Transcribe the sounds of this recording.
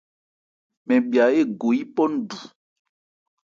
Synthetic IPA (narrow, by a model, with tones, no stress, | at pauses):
mɛ̃˨bi˨a˨e˦ɡo˨i˦pɔ˦n˦ɖu˨